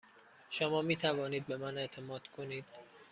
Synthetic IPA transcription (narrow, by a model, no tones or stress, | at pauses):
ʃomɒːmiːt̪ʰævɒːniːd̪̚be̞mæne̞ʔt̪ʰe̞mɒːd̪̥kʰoniːd̪̥